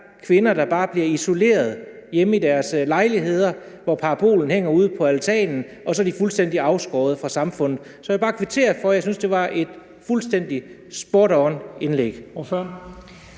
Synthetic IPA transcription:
kʰʋe̝nɐd̥ɑ̈b̥ɑ̈ːb̥liɐiso̝le̝̰ːɐð̞ˠjeməid̥æɐslɑ̈ɪliɦe̝ð̞̰ˠɐ | ʋɒpʰɑ̈ːpʰo̝̰ːln̩heŋ̰ɐuð̞̰ˠpʰɒ̽ælt͡sʰɛ̰ːnn̩ | ʔɒ̽sɒ̽d̥ifulsd̥en̰d̥iɑ̈ʊsɡ̥ɒ̰ːð̞̩ˠəfʁɑ̈sɑ̈mfɔ̽n̰ð̩ˠsɒ̽jbɑ̈ːkʰʋit͡sʰe̝̰ːɐfɒ̽jɑ̈ɪsynsd̥e̝ʋɑ̈ʔe̝d̥ | fulsd̥en̰d̥i | sb̥oːɾɒne̝nleɡ̥f

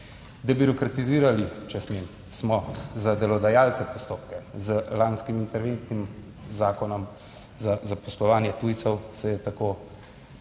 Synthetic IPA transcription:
d̪ɛbyɾɔkɾat̪iziːɾalit͡ʃɛsmen | smɔzad̪ɛlɔd̪ajaːlt̪sɛpɔst̪oːp̚kɛzəlanskimint̪ɛɾʋent̪nim | zaːkɔnɔm | zazapɔslɔʋaːnjɛt̪uːjt̪sɔwsɛjɛt̪akoː

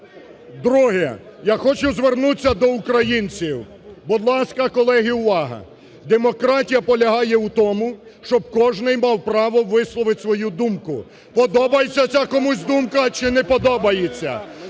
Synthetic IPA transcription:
d̪ɾuɦɛjaxɔt͡ʃʊzʋernut͡sʲːɐd̪ɔʊkɾɐjinʲt͡sʲiw | bʊd̪lˠɑsʲkɐkɔlˠɛɦiuʋɑɦɐ̰ | d̪emɔkɾɑtʲijɐpɔlʲɐɦɑjɛut̪ɔmʊʃt͡ʃɔb̚kɔʒnɪjmɑwpɾɑʋɔʋɪslˠɔʋɪtʲsʋɔjud̪umkʊ | pɔd̪ɔbɐjet͡sʲːɐt͡sʲakɔmusʲd̪umkɐt͡ʃɪnɛpɔd̪ɔbɐjet͡sʲːɐ̰

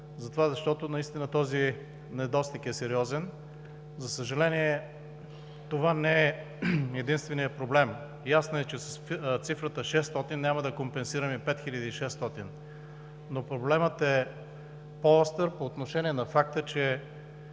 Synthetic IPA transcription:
zɐt̪ovazɐʃt̪ɔt̪ʊnɐist̪inət̪ɔzi | nɛd̪ɔst̪ikɛsɛɾiɔzɛn | zɐsəʒɐlɛniɛ | t̪ovanɛɛ | ɛd̪inst̪vɛnijəpɾoblɛm | jasnoɛt͡ʃɛsɐst̪sifɾət̪əʃɛst̪ɔt̪innʲaməd̪ɐkompɛnsiɾɐmɛpɛt̪xilʲəd̪iːʃɛst̪ɔt̪in | nopɾoblɛmət̪ɛ | poɔst̪əɾpoːt̪noʃɛniɛnɐfakt̪ət͡ʃɛ

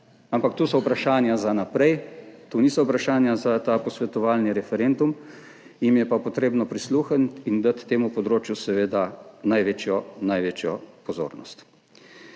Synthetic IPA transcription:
ampakt̪uːsɔupɾaʃaːnjazanapɾɛjt̪unisɔupɾaʃaːnjazat̪aːpɔsʋɛt̪ɔʋaːlniɾɛfɛɾend̪um | jimjɛpapɔt̪ɾeːbnɔpɾisluːxənt̪ind̪at̪ːeːmupɔd̪ɾoːt͡ʃjusɛʋeːd̪anajʋeːt͡ʃjɔnajʋeːt͡ʃjɔpɔzo̰ːɾnɔ̰st̪

